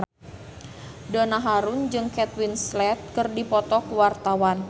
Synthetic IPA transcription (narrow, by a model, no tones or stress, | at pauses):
dɔnaɦaɾʊnd͡ʒɨŋkɛt̪winslɛt̪̚kɨrdipɔt̪ɔkuwart̪awan